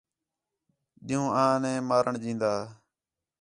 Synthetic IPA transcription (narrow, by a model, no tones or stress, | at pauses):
ɗɪjũːʔãːnẽːmaːɾəɳd͡ʒĩːnd̪aː